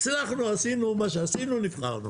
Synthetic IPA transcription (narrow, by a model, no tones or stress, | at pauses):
t͡snaχnuasinumaʃeasinunifχa̰ʁnṵ